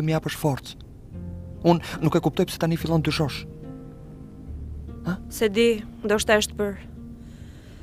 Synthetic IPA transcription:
əmijapəʃfɔɾt̪t͡s | unːukɛkup̚t̪ɔjpsɛ̥t̪anifilˠɔnd̪yʃɔʃ | asɛd̪ind̪ɔʃt̪aəʃt̪pəɾ

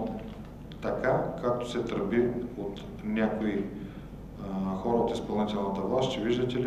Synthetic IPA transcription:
t̪ɐkakak̚t̪o̥sɛt̪əɾpiot̪ | nʲakoi | xɔɾɐot̪ispɐlˠnit̪ɛlˠnət̪ɐvlˠast̪t͡ʃɛviʒd̪ət̪ɛl

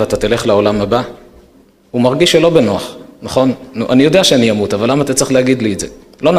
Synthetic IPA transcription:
eat̪at̪ile̞χlao̞lamhaba | umaʁɡiʃːelo̞benoaχnaχo̞nːuʔanijo̞d̪ejaʃeanijamut̪avalːamaːt̪att͡sʁiχleaɡid̪liːtze | lo̞n

